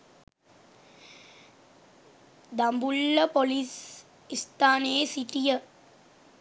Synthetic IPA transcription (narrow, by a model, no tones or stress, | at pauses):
d̪ambulːɐpolis | ist̪aːneːsiʈijə